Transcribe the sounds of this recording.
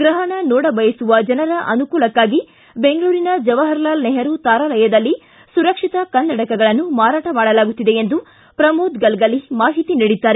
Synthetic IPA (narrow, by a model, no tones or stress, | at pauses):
ɡɾɐɦɐɳɐnɔːɽɐbɐjɐsuʋɐd͡ʒɐnɐɾɐʔɐnukuːlɐkːaːɡi | be̞ŋɡɐɭuːɾinɐd͡ʒɐʋɐɦɐɾlaːlnɛɦɐɾut̪aːɾaːlɐjɐd̪ɐlːi | suɾɐkʂit̪ɐkɐnːɐʈɐkɐɡɐɭɐnːumaːɾaːʈɐmaːɽɐlaːɡut̪ːid̪e̞end̪u | pɾɐmoːd̪ɡɐlɡɐlːimaːɦit̪iniːɽid̪ːaːɾe